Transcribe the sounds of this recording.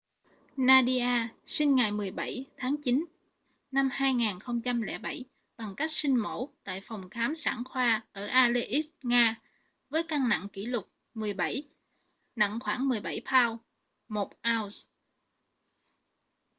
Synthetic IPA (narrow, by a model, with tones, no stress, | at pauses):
naː˧ɗi˧ʔaː˧sï˧ŋ̟ŋa˨˩jmɨ˨˩əjɓa˧˩jt̪ʰaː˨˦ŋt͡ɕi˨˦n | na˧mhaː˧jŋaː˨˩nxə˧wŋ͡mt͡ɕa˧mlɛ̰˧˥ɓa˧˩j | ɓa˨˩ŋka˦˥jk̚sï˧ŋ̟mo˧˩t̪a̰ː˧˨jfɔ˨˩wŋ͡mxaː˨˦msa̰ː˧˩nxwaː˧ʔəː˧˩ʔaː˧le˧ʔi˦˥t̚ŋaː˧ | vəː˨˦jka˧ŋna̰˧˨ŋkḭ˧˩lʊ˨˩k͡p̚ | mɨ˨˩əjɓa˧˩j | na̰˧˨ŋxwaː˧˩ŋmɨ˨˩əjɓa˧˩jpʰaː˧w | mo˨˩t̚ʔaː˧wz